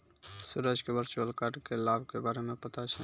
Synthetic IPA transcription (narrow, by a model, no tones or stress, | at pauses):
suɾəd͡ʒkebəɾt͡ʃolkaʈkelabkebaɾemẽpət̪at͡ʃʰɛ